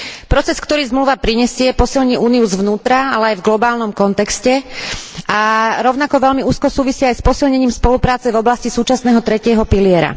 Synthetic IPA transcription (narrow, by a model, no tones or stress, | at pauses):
pɾɔt͡sɛskt̪ɔɾiːzmluːʋapɾiɲɛsɪɛpɔsilɲiːʔuːniuzʋnuːt̪ɾaalɛajvɡlɔbaːlnɔmkɔnt̪ɛkscɛ | aɾɔʊnakɔʋɛlmiuːskɔsuːʋisɪiajspɔsilɲɛɲiːmspɔlupɾaːt͡sɛvɔblascisuːt͡ʃasnɛːɦɔt̪ɾɛcɪɛɦɔpilɪɛɾa̰